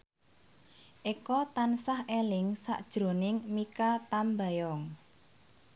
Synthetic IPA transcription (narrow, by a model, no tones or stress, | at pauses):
ʔikɔt̪ansahelɪŋsa̰ʔd̥ʒ̥ɾo̤nɪŋmikat̪amba̤jɔŋ